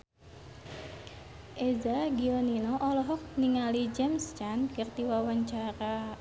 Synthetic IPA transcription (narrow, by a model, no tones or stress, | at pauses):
ʔezaɡioninɔʔɔlɔɦɔk̚niŋalid͡ʒɛmst͡ʃankərt̪iwawaɲt͡ʃaɾa